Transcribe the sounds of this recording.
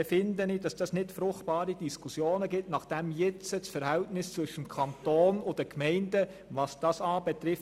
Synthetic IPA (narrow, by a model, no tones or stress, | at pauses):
ɛfɪndənɪd̥ɑsd̥ɑsnɪtfɾʊχtbɑːɾid̥iskusjoːnəɡɪtnɑχd̥ɛmjɪt͡sət͡sfəɾhɛltnɪst͡sʋʏʃəmkʰɑntoːnʊd̥əkʰmɛɪndə | ʋɑsd̥ɑːsɑːbɛt̪ɾɪf